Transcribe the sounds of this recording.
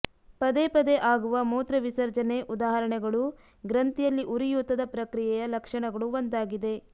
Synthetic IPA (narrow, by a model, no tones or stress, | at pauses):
pɐd̪epɐd̪eʔaːɡuʋɐmuːt̪ɾɐʋisɐɾd͡ʒɐneʔud̪aːɦɐɾɐɳɛɡɐɭu | ɡɾɐnt̪ijɐlːiʔuɾijut̪ːɐd̪ɐpɾɐkɾijɛjɐlɐkʂɐɳɐɡɐɭuond̪aːɡid̪e̞